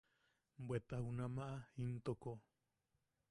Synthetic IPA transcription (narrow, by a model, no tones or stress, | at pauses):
mbwet̪ahunamaʔaint̪oko